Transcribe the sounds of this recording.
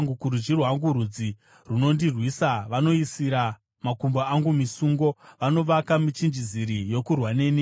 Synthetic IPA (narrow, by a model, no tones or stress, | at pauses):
ŋɡukuɾud͡ʒirwaŋɡuɾud͡zi | runo̞ndirwiːsaʋano̞isiɾa | makumboaŋɡumisuːŋɡo̞ʋano̞ʋakamit͡ʃind͡ʒiziɾijo̞kurwaneːni